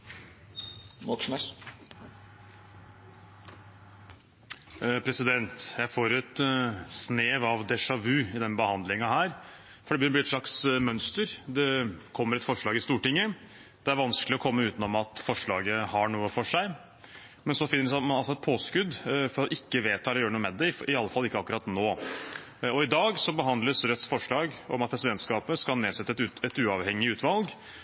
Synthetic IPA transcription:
mɔn | pʰɾɛsɪd̪ɛnt̪jæɪfoːɾɛt̪sneːʋɑʋd̪ɛʂɑʉːɪd̪ɛnbəhɑnd̪lɪŋɑhæːɾ | fɔɖɛbjɪb̪iːɛt̪ʂɭɑksmœnst̪əɾd̪ɛkʰɔmːəɾɛt̪fɔʂɭɑːɡɪst̪uːʈɪŋːə | d̪̥ɛæɾʋɑnsklɪɔkʰɔmːəʉːt̪nɔmɑt̪fɔʂɭɑːɡəhɑɳuːəfɔʂæɪ | mɛnsɔfɪnːəsmɑnɑlsɔɛt̪̚pʰoːskʉd̪fɔɾɔʔɪkːəʋeːt̪ʰɑːlɔjøːɾnuːəmɛd̪ɛɪɑlːəfɑlːɪkːəɑkːʉɾɑːt̪noː | ɔɪd̪ɑːɡsɔbəɦɑnd̪ləsɾœt̪ːsfɔʂɭɑːɡɔmɑt̪̚pʰɾɛsɪd̪ɛnt̪skɑːpəskɑlneːsɛt̪ːəɛt̪ʉɛt̪ʉːɑʋhɛŋːɪʉːt̪ʰʋɑlɡ

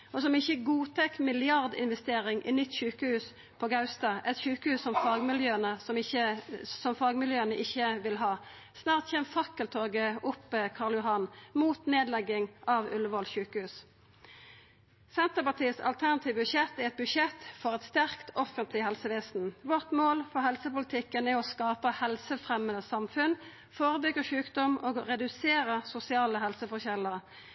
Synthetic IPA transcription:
ɔsɔmɪçəɡuːt̪ʰɛkːmɪlɪɑʁd̪ɪ̰nʋɛst̪eːʁɪŋʔinʏt̪ːʃʉːkəhʉːs | pʰɔɡɑʉst̪ɑːʔɛt̪ʃʉːkəhʉːssɔmfɑːɡmɪljøːənəsɔmɪəsɔmfɑːɡmɪljøːənəʔɪçːəʋɪlɦɑː | snɑːʁt̪çɛːmfɑkːəlt̪ʰoːɡəʊpːəkʰɑʁljʊɦɑnmuːt̪neːd̪lɛɡːɪŋʔɑʋʉləʋɔlçʉːkəhʉːs | sɛnt̪əʁpɑʁt̪ʰiːsɑ̰lt̪ʰæʁnɑt̪ʰiːʋəbʉʃɛt̪ːæɛt̪̚bʉʂɛt̪ːfɔʁɛt̪st̪æʁkt̪ɔfənt̪ʰlɪhɛlsəʋeːsn̩ʋɔʁt̪moːlfɔʁɦɛlsəpʊlət̪ʰɪkːənɛɔskɑːpəhɛlsəfʁɛmənəsɑmfʉn | foːʁəbʏɡəʃʉːkd̪ɔmoːɡʁɛd̪ʉseːʁəsʊsɪɑːləɦɛlsəfɔʁçɛləʁ

